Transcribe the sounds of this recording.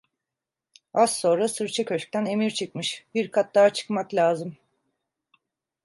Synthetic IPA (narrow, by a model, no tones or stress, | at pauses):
asːo̞nɾasɯɾt͡ʃʰakʰøt͡ʃk̚t̪ʰæne̞miɾt͡ʃʰɯk̚mɯʃbiɾkʰat̪̚d̪aːt͡ʃʰɯ̥kmaklʲaːzɯm